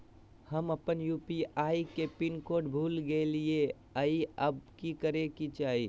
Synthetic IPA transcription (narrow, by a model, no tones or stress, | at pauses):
həməpənjuːpiaːikepɪnkoːɖbʱuːlɡelie | əiəbkikəɾekit͡ʃaːɦiː